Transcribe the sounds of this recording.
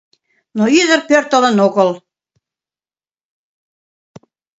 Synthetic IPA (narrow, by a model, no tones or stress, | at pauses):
noyzə̆rpørt̪ə̆lə̆noɣə̆l